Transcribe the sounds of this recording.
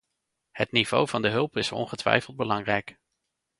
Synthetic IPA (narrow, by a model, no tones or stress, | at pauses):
hətniv̥o̰wv̥ɑndəɦɵlˠpɪsɔ̰nχətʋɛ̰jfəlˠd̚bəlɑŋrɛjk